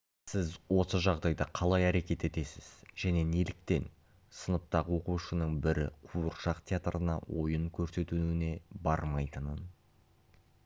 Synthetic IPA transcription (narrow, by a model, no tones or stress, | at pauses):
sɪzwo̞səʒɑʁd̪ɑjd̪ɑqʰɑlˠɑjæɾe̞kʲe̞t̪e̞t̪e̞sɪz̥ʒ̥æne̞nelɪk̚t̪e̞n | sənəp̚t̪ɑʁəwo̞quʃənəɴbɪɾɪ̰qʰuəɾʃɑqt̪ʲʰeat̪rənɑ̰wo̞̰jəɴkʲʰɵɾse̞t̪uɪne̞bɑɾmɑjt̪ənən